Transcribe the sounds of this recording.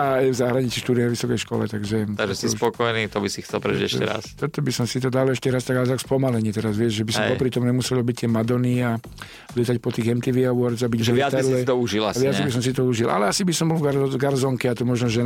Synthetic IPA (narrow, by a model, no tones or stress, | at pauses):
aajvzaɦɾaɲit͡siʃt̪uːd̪iaʋisɔkɛjʃkɔ̰lɛ̰t̪aɡʒɛaɡʒɛstispɔkɔjnit̪ɔbisixt͡sɛlpɾɛ̰iɟɛʃɛ̰ɾa̰st̪ɔt̪ɔbisɔmsit̪ɔd̪alɛʃcɛɾast̪aɡalt̪akspɔmalɛɲɛt̪ɛɾazʋɪɛd͡ʒʒɛbisɔmɛpɔpɾit̪ɔmuɲɛmusɛlɔlbict̪ɪɛmad̪ɔnia | lɪɛt̪acpɔt̪iːɣɛmt̪iʋiawɔɾzabiɟbʒɛɔɪat̪alɛt̪ɔuʒila̰saʋɪad͡zbisɔmsit̪ɔuʒilʔa̰lɛasibisɔmbɔlvɡaɾzɔŋkɛat̪ɔmɔʒnɔʒɛ